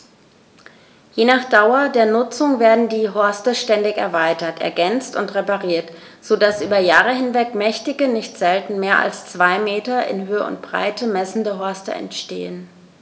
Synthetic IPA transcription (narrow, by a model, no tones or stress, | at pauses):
jeːnaːχd̥aʊɐdeːɐnʊt͡sʊŋveːɐdn̩diːɦɔɐstəʃtɛndɪçɛɐvaɪtɐtʔɛ̰ɐɡɛnt͡stʊntʁepaʁiːɐt | z̥oːdasʔyːbɐjaːʁəhɪnvɛkmɛçtɪɡənɪçtz̥ɛltn̩meːɐʔa̰lst͡sv̥aɪmeːtɐʔɪ̰nɦøːəʊ̰ntb̥ʁ̥a̰ɪtʰəmɛsn̩dəɦɔɐstə̰ɛ̰ntʃtḛːən